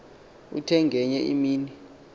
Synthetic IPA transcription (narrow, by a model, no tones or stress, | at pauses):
ṵtʰɛŋɡʱɛɲɛʔḭmiːni